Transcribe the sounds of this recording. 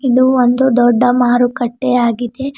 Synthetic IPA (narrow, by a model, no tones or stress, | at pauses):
id̪uond̪ud̪ɔɖːɐmaːɾukɐʈːeaːɡid̪e̞